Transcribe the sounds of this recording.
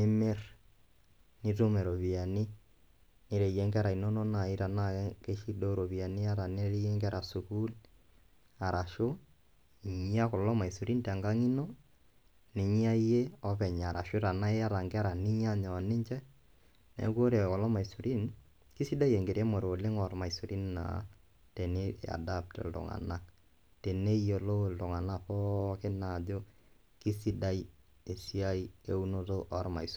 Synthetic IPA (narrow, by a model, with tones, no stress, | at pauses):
ne˦me˦r | ni˦to˦mɛ˨ɾo˨βi˨a˨ni˦ | ne˨ɾe˨je˦ŋɡɛ˦ɾa˨i˨nɔ˦nɔ˦na˨i˦ɾa˨na˦˨˦ke˦ʃi˦do˦ɾo˨βi˨a˨ni˦a˦ɾa˨ne˦ɾe˦je˦ŋɡɛ˦ɾa˨su˨ku˦l | a˨ɾʔa˨ʃo˦˨ | ɲi˦a˦ko˨lɔ˦ma˨i˨su˨ɾi˦ntɛ˨ŋɡa˦ŋi˦nɔ˦ | ne˨ɲi˦a˦i˦je˦ɔ˦pɛ˨ɲ˨a˨ɾa̰˨ʃo˦ɾa˨na˦e˦a˦ɾa˨ŋɡɛ˦a˦ɾa˨ni˦ɲ˦a˦ɲɔ˨ne˦ɲt͡ʃɛ˦ | nɛ̰˨˦kwo˦ɾe˨kɔ˨lɔ˦ma˨i˨su˨ɾi˦n | ki˦si˦da˦jɛ˨ŋɡe˨ɾjɛ˦mo˨ɾo˨le˦ŋɔ˨ɾma˨i˨su˨ɾi˦nna̰˨ | te˨nḛ˦a̰˨da˦p̚tḛ˨ldʊ̰˨ŋa̰˨na˨ | te˨ne˦je˨lo˦˨ldʊ˨ŋa˨na˦˨pɔ˦kɪ˦na˨d͡ʒo˦ | ki˦si˦da˦i˦ | e˨si˦a˦i˦e˦u˦no˦to˦ʔɔ˦ɾma̰˨is